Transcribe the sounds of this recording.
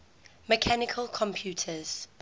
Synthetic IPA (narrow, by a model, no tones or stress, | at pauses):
mɛkʰanɪkʰəlˠkʰɔ̃mpʰjuːtʰəz̥